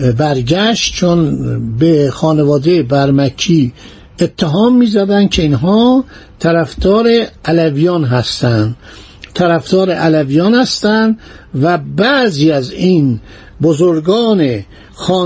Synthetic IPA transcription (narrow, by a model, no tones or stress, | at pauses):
bæɾɟæʃt̪t͡ʃʰonbexɒːnevɒːd̪ebæɾmæcʰːiː | et̪ʰːeɦɒːmːiːzæd̪ænd̪̥̚kʰe̞inɦɒːt̪ʰæɾæfd̪ɒːɾeʔælævijɒːnɦæst̪ænd̪ | t̪ʰæɾæfd̪̥ɒːɾeʔælævijɒːnhæst̪ænd̪ | væbæziːæzin | bozoɾɡɒːne | xɒː